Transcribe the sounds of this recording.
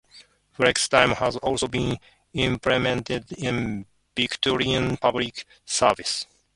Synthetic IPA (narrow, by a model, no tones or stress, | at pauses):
fɹɛkstãɪ̃mhazɔlsobĩn | ɪ̃mplɛmɛ̃ntɪdɪ̃n | vikt̪ʰɔɹiãnpʰablik | səvɪs